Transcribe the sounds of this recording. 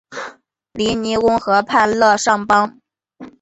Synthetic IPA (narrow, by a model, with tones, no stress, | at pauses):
li˧˥ni˧˥kʊ˥ŋxɤ˧˥pʰa˥˧nlɤ˥˧ʂɑ˥˩ŋpɑ˥ŋ